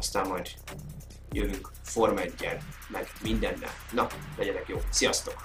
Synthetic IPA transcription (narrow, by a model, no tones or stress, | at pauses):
ɒst̪aːmːɒjd̪ | jøvyŋk | fo̞rmɛɟːɛn | mɛɡmind̪ɛnːɛ̰lnɒlɛɟɛt̪ɛkjoːsijɒst̪o̞k